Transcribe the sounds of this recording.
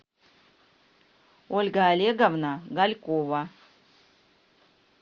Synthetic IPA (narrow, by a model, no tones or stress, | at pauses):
olʲɡaːlʲeɡavnaɡalʲkʼova